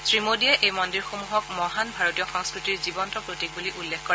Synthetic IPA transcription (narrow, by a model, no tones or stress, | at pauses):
sɹimodiɛʔejmɔndiɹxomuɦɔk̚mɔɦanbʱaɹotijɔxɔŋskɹitiɹzibɔntɔpɹotik̚buliʔulːekʰkɔɹɛ